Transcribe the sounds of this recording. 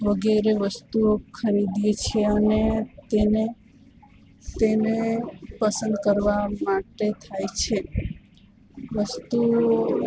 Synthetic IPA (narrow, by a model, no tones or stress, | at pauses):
ʋəɡeɾeʋəst̪uokʰəɾid̪et͡ʃʰeənet̪ene | t̪enepəsə̃nd̪kəɾʋamaʈet̪ʰajt͡ʃʰe | ʋəst̪u